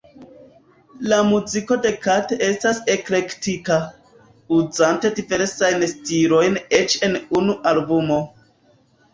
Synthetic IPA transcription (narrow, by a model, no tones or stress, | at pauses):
lamuziko̞de̞katee̞stase̞kle̞ktita | uzante̞dive̞ɾsajnstilo̞jne̞t͡ʃe̞nunuʔalbumo̞